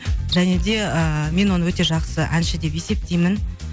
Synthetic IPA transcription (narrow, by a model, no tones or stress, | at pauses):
ʒæne̞d̪e̞əme̞nwo̞nəwɵt̪e̞ʒɑqsəʔænʃɪd̪e̞pe̞se̞p̚t̪ʰejmɪn